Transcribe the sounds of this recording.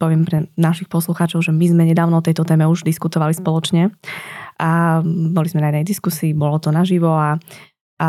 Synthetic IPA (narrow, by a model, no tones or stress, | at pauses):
pɔʋɪɛmpɾɛnaʃixpɔsluxaːt͡ʃɔʊʒɛmizmɛɲɛd̪aːʊnɔɔt̪ɛjt̪ɔt̪ɛːmɛuʒd̪iskut̪ɔʋalispɔlɔt͡ʃɲɛ | abɔlizmɛnajɛd̪nɛjd̪iskusiːbɔlɔt̪ɔnaʒiʋɔa